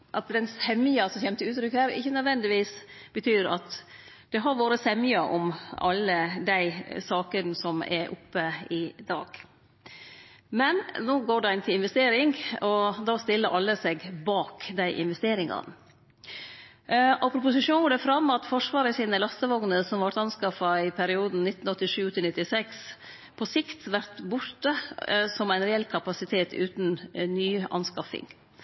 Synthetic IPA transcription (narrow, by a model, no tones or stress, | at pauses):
ʔɑt̪̚d̪ɛnshɛmɪjɑsɔçɛmt̪əʉːt̪ʰɾʏkhæːɾɪ̰çːənœd̪ʋɛnd̪ɪʋiːs | b̥ət̪ʰyːɾɑ̰t̪ | d̪̥ɛɦɑɾʋoːɾəsɛmjɑʔɔmɑlːəd̪æɪsɑːkənsɔmɛ̰ɾʔʊ̰pːəɪd̪ɑ̰ːɡ̥ | mɛnnoːɡoːɖɛɪnt̪ʰɪlɪnʋɛst̪eːɾɪŋɔd̪ɑːst̪ɪlːəɾʔɑlːəsɛɡbɑːkd̪æɪʔɪ̰nʋɛst̪eːɾɪŋɑ̰n | ʔɔpʰɾʊpʊsɪʂuːnɡɔɖɛfɾɑmːɑt̪fɔʂʋɑːɾəsiːnəlɑst̪əʋɔŋnəsɔmʋɑɾʈ̪ɑnskɑfɑɪpʰæɾɪuːd̪n̩nɪt̪n̩ɔt̪ːɪʂʉːt̪ʰɪlnɪt̪ːɪsɛks | pʰɔsɪkt̪ʋæɾt̪bʊɾt̪əsɔmæɪnɾɛɛlkʰɑpɑsɪt̪ʰeːt̪ʰʉ̰ːt̪nnyːɑ̰nskɑfɪ̰ŋ